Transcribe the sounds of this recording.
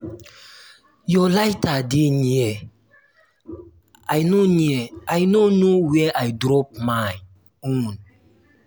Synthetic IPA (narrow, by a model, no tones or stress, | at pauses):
jɔlajtadiniɛ | ajnoniɛajnonowɛʔajdɾɔp̚maj | un